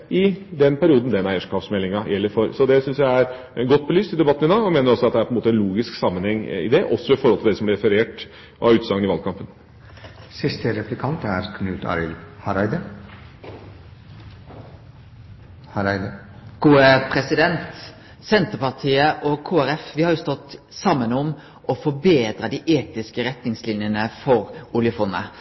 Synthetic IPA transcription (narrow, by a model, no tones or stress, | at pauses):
ʔɪd̪ɛnpʰæɾɪuːd̪n̩d̪ɛnæɪəʂkʰɑfsmɛlːɪŋɑjʔɛlːəɾfɔɾsɔd̪ɛsʏnsjæɪæɾ | ɡɔt̪ːbɔlyːst̪ɪd̪ɛbɑt̪ːn̩ɪd̪ɑːɡɔmeːnəɾɔsɔɑt̪d̪ɛæpɔɛnmoːt̪əɛnluːɡɪsksɑmːənhɛŋːɪ̰d̪ɛʔɔsːɔʋɪfɔɾhɔlt̪ɪld̪ɛsɔmlɪɾɛfəɾeːʈ | ʔɑ̰ʉːt̪sɑŋənɪʋɑlkʰɑmpən | sɪst̪əɾɛplɪkʰɑnt̪æɾkʰnʉːt̪ʰɑ̰ɾɪlhɑɾæɪd̪ə | hɾɪd̪ə | ɡ̥uːəpʰɾɛsɪd̪ɛnt̪ | sɛnt̪əpɑʁt̪ʰiːəʔɔkʰuːæɾɛfʋɪhɑɾjʊst̪ɔt̪ː | sɑmːənɔm | ʔɔfɔbeːd̪ɾəd̪iːʔeːt̪ɪskəɾɛt̪nɪŋslɪnjənəfɔɾʊljəfɔnːə̰